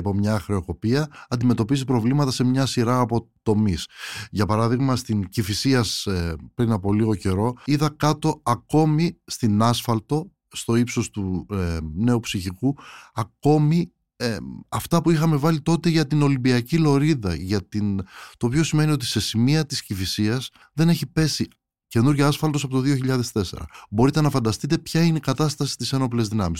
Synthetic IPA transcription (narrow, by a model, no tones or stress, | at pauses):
po̞mɲɐxɾe̞o̞ko̞piɐɐnd̪ime̞t̪o̞pizipɾo̞vlimɐt̪ɐse̞mɲɐsiɾɐːpo̞t̪o̞misʝɐpɐɾɐðiɣmɐst̪incifisiɐspɾinɐpo̞liɣo̞ce̞ɾo̞iðɐkɐt̪o̞ɐko̞mist̪inɐsfɐlt̪o̞ | st̪o̞ipso̞st̪u | ne̞upsiçikuɐko̞mi | ɐft̪ɐpuixɐme̞vɐlit̪o̞t̪e̞ʝɐt̪ino̞limbiɐcilo̞ɾiðɐ̰ʝɐt̪int̪oːpio̞sime̞nio̞t̪i̥se̞simiɐt̪iscivisiɐs | ðe̞ne̞çipe̞si | ce̞nuɾʝɐɐsfɐlt̪os̬ɐpo̞t̪oðio̞çiʎɐðe̞st̪e̞se̞̰ɾɐ̰bo̞ɾit̪e̞nɐfɐnd̪ɐst̪it̪e̞pçɐineikɐt̪ɐst̪ɐsi̥t̪ise̞no̞ple̞zðinɐ̰mis